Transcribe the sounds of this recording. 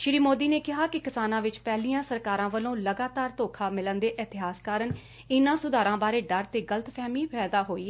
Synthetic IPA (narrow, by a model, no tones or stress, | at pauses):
ʃɪɾiːmoːd̪iːneːkɪɦaːkɪkɪsaːnãːʋɪt͡ʃpɛːliːãːsəɾkaːɾãːʋəlõːləɡaːt̪aːɾt̪oːkʰaːmɪlənd̪eːʔɪt̪ɪɦaːskaːɾən | ɪnãːsʊd̪aːɾãːbaːɾeːɖəɾt̪eːɡələt̪pʰɛːmiːpʰɛːd̪aːɦoːiː